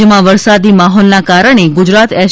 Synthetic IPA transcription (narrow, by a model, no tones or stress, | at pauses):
əmãʋəɾsad̪imaɦɔlnakaɾəɳ̃eɡʊd͡ʒɾat̪ɛ